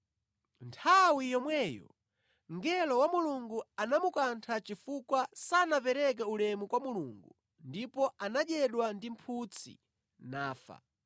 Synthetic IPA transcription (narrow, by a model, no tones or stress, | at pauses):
ntʰawijɔmwɛjɔ̰ | ŋɡɛlɔwamuluŋɡuanamukantʰat͡ʃifukwasanapɛɾɛk̬ɛulɛmukwamuluŋɡu | ndipɔʔanaɗɛɗwandim̩pʰut͡sʰḭ | naːfa̰